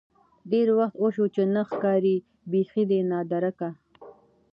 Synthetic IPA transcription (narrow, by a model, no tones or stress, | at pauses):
ɖeɾwaxt̪oʃot͡ʃenaxkɑːɾi | bexid̪enɑːd̪aɾaka